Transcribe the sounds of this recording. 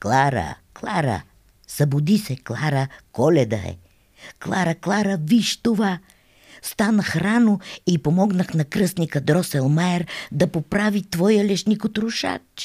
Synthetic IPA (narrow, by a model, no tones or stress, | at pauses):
klˠaɾə̰klˠaɾə̰ | sɐbʊd̪isɛklˠaɾəkɔlɛd̪ɐ̰ɛ̰ | klˠaɾəklˠaɾəviʃt̪ova | st̪anəxɾanoipomɔɡnəxnɐkɾɤsnikəd̪ɾɔsɛlˠmaɛɾd̪ɐpopɾavit̪vɔjəlɛʃnʲikot̪ɾʊʃa̰t